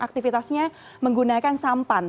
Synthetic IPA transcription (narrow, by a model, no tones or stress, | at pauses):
ʔak̚t̪ifit̪asɲa | məŋɡunakansampan